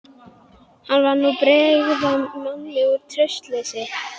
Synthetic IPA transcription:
hanvaɾnupɾɛːɣðamanːɪuɾt̪ʰɾœst̪lesɪ

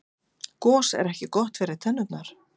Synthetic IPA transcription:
kɔːsɛ̰ɾɛhcɪkɔht̪vɛːɾɪðt̪ʰɛnːʏpnaɾ̥

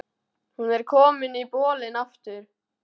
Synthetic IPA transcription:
hunɛɾkʰɔːmɪnipɔːlɪnaft̪ʏɾ̥

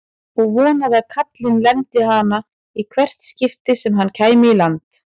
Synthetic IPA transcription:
ɔɣvɔːnaðaðkʰat̪lɪnlɛnt̪ɪhaːna | ikʰvɛr̥t̪scɪft̪ɪsɛmɦanːcʰaːjmɪilant̪

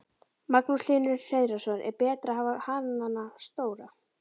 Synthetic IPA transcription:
maknuslɪːnʏsejðɾasœnʔɛ̰ɾpɛːt̪ɾaavahananast̪oːwɾa

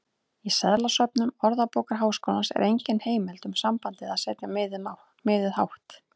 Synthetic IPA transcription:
isɛðlasœpnʏmɔɾðapowkaɾɦaːwskoːwlansɛ̰ɾʔejɲcɪnheːjmɛlt̪ʏmsampant̪ɪðaðsɛːt̪jama | mɪːðʏðha̰wht̪

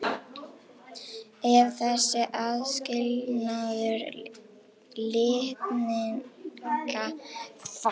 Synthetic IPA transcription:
ɛɾθɛsːɪʔaðscɪlnaðʏɾ | lɪht̪nɪŋkafa

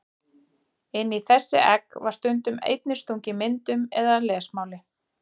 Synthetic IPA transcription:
ɪnːiθɛsːɪ̰ʔɛkvaɾ̥st̪ʏnt̪ʏmḛjt̪̚nɪst̪owŋɲcɪmɪnt̪ʏmɛðalɛːsmaːwlɪ

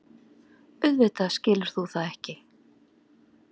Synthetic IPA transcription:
ʏðvɪːt̪ascɪːlʏɾ̥θuθaðɛhcɪ

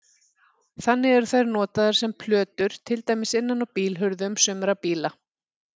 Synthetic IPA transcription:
θanːɪɣɛɾθajɾnɔːt̪aðaɾ̥sɛmpʰlœːt̪ʏɾ̥t̪ʰɪlt̪aːjmɪsɪnːanɔwpiːlɦʏɾðʏʏmsʏmɛɾapiːla

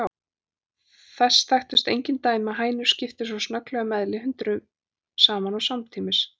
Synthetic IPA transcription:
a | θɛsθajxt̪ʏst̪ejɲcɪnt̪aːjmaðɦaːjnʏɾ̥scɪft̪ɪsawsnœklɛɣamɛðlɪɦʏnt̪ɾʏ | saːmanawsamt̪ʰiːmɪs

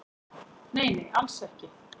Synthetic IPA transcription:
neːjmɪʔalsɛhcɪ

